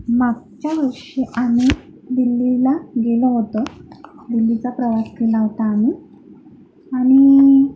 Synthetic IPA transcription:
maɡ̚t͡ɕjaʋəɾʂeʔami | d̪ilːilaɡeləɦot̪əd̪ilːit͡sapɾəʋaskelaɦot̪aːmi | aɽ̃i

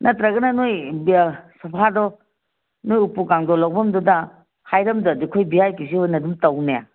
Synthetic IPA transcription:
nʔɐtɾɐɡɐnɐnoj | sɐpʰadɔ | nojupukaŋdɔlɐwbɐmdɔdɐ | hajɾɐmdɔdikʰojbiajkis̬ihojnɐdumtɐwneja

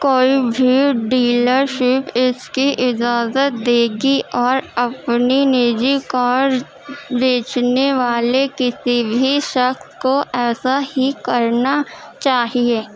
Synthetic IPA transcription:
koːibʱiɖiːləɾʃɪpɪskiʔɪd͡ʒaːzət̪̚d̪eːɡiʔɔːɾɐpnineːd͡ʒikɔːɾ | beːt͡ʃneʋaːlekɪsibʱiʃɐxskoʔɛːsahikɐɾnat͡ʃaːɦieː

